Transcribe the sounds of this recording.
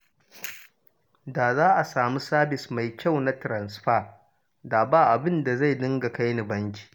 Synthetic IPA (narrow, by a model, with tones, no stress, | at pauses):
daː˨zaː˦ʔa˨saː˨mu˦saː˦bɪ˨sma˨jkʲa˦˨wna˦tɾɐ˨nsɸaː˦˨ | daː˨baː˦ʔa˨bɪ˦nda˨za˦˨jdɪ˦ŋɡa˨ka˦jni˨bɐ˦ŋkʲi̥ː˨